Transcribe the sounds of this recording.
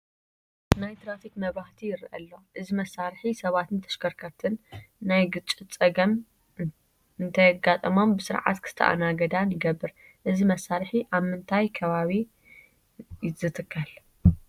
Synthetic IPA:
najt̪ʰɨɾafikmɐβɾaht̪ʰijɪɾʔɐ̰lːo̞ʔɨzimɐsːaɾħisɐβat̪ɨnt̪ʰɐ̥ʃkʰɐɾkʰɐɾt̪ʰɨnːajɡɨt͡ʃʼːɨt͡sʼɐɡɐm | ɨnt̪ʰɐɡːat̪ʼɐmo̞mbɨsɨɾʕa̰t̪kʰɨ̥st̪ʰɐ̰ʔa̰naɡɐd̪anɨɡɐbːɨɾ | ʔɨzimɐsːaɾħiʔaβmɨnt̪ʰajkʰɐβaβi | zɨt̪ʰɨkʰːɐl

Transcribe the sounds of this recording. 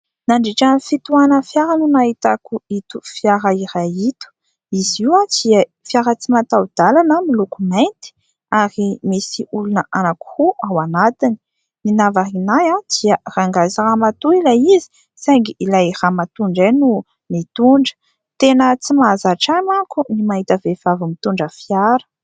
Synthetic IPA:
naɳɖ͡ʐeʈ͡ʂanifit̪uanəfjaɾanunaɦit̪akuit̪ufjaɾaiɾajit̪u̥ | iziwad̪̥iə | fjaɾət͡simat̪awd̪̥alanəmilukumajnt̪i̥ | aɾimisiulunəʔanaku̥huʔawanat̪ini̥ | minavaɦinajad̪̥iəraŋɡaziɾamat̪uilajizi̥ | saŋɡiilajramat̪uɳɖ͡ʐajnu | mit̪uɳɖ͡ʐə̥ | t̪enət͡simazaʈ͡ʂamakunimaɦit̪əvevavumit̪uɳɖ͡ʐəfjaɾə̥

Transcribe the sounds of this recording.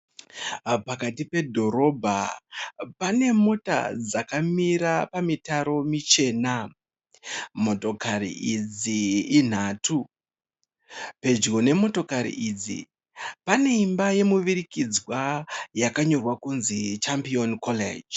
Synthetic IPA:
pakatipe̞dʱo̞ɾo̞bʱa̰ | pane̞mo̞ta̰d͡zakamiɾapamitaɾo̞mit͡ʃe̞ːna | mo̞to̞karḭʔid͡ziːn̤atʰu | pe̞d͡ʒɡo̞ne̞mo̞to̞kaɾḭʔid͡zḭ | pane̞imbaje̞muʋirikid͡zwajakaɲo̞rwakunzit͡ʃampionkolḛd͡ʒ

